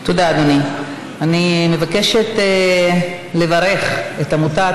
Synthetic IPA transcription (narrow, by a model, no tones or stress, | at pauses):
t̪od̪aːd̪oni | animevake̞ʃet̪ | le̞vaʁe̞χet̪amuta